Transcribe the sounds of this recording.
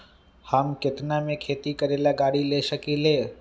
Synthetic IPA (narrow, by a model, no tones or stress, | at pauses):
həmkɪt̪namẽkʰeːt̪ikəɾeːlaɡaːɽileːʃəkiːleː